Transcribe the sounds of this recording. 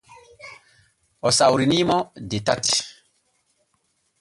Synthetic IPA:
ɔsawɾinimɔdeta̰t

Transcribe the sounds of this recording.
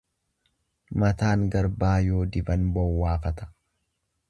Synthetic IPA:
mɐt̪aːŋɡɐɾbaːjo̞ːd̪ɪbɐnbɔwːaːfɐt̪ɐ̥

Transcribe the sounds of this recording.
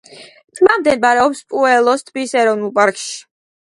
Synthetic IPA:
t̪ʰʼmamd̪ɛnbaɾɛɔpspʼuɛlˠɔst̪ʰbisɛɾɔvnulˠpʼaɾkʼʃi̥

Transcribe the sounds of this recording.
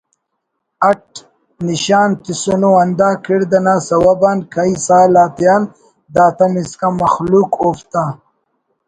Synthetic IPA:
ɐʈ̚ | niɕaːnt̪isunoɐnd̪aːkʰiɽd̪ɐnaːsɐwɐbankʰaisaːlaːt̪jan | d̪aːt̪ɐmiskamɐxlukoːft̪a

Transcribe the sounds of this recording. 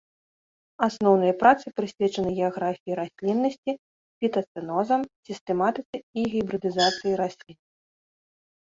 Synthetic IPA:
asnɔwnɐjɐpɾat̪sɨpɾɨsʲvʲɛt͡ʂɐnɨɣʲɛaɣɾafʲijiɾasʲlʲinːɐsʲt͡sʲi | pʲit̪ɐt̪sɨnɔzɐmsʲist̪ɛmat̪ɨt̪sɨiɣʲibɾɨd̪ɨzat̪sɨjiɾasʲlʲin

